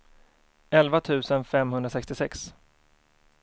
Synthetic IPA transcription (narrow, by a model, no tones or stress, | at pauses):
ɛlvat̪ʰʉ̟ːsənfɛmɦɵnd̪ɾasɛkst̪ɪsɛks